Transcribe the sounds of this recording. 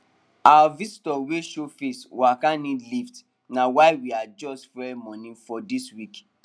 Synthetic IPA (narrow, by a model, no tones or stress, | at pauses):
awavisitɔweʃofeswakãnĩdlift | nãwaɪwiad͡ʒɔstfɾɛmɔ̃nĩfɔdiswik